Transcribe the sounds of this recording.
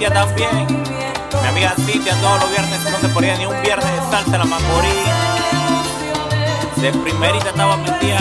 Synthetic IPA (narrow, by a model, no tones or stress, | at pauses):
at̪aubje | mjamiɣasid͡ʒat̪aoɾoβjeɾnesnosepoðianĩumbjeɾneesalselamakoɾi | d̪epɾimeɾiʝat̪awamĩnt̪ia